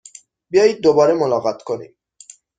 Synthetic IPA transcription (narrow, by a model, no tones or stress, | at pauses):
biɔjid̪obɔɾemolɔɣɔt̪konḭ